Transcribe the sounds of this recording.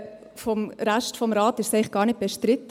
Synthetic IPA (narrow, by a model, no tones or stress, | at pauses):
fɔmɾæʃtfɔmɾɑːtɪʃsɛɪχɡ̥ɑːɾnɪt̚b̥eʃtɾɪt